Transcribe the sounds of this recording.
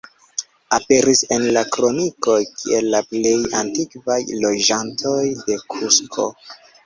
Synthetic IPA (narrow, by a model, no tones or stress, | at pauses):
ape̞ɾise̞nlakɾo̞niko̞jkḭʔe̞lːaple̞jantikvajlo̞d͡ʒantʰo̞jde̞kʰuskʰo̞̰